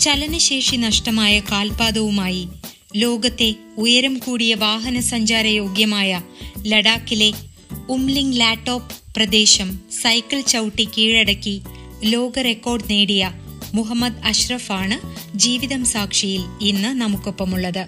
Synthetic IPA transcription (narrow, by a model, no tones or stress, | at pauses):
t͡ɕɐlɐnɨɕe̞ːʂinɐʂʈɐmaːjɐkaːlpaːd̪ɐʋumaːji | lo̞ːɡɐt̪ːe̞ | ujɐɾɐmkuːɽijɐʋaːɦɐnɐsɐɲd͡ʑaːɾɐjo̞ːɡjɐmaːjɐlɐɽaːkːile̞ | umliŋɡlaːʈːo̞ːpːrɐd̪e̞ːɕɐmsɐjkːɐlt͡ɕɐwʈːikiːɻɐɽɐkːi | lo̞ːɡɐre̞kːo̞ːrɖneːɽijɐ | muɦɐmːɐd̪ɐɕrɐfaːɳɨd͡ʑiːʋiðɐmsaːkʂijilinːɨnɐmukːo̞pːɐmuɭːɐðɨ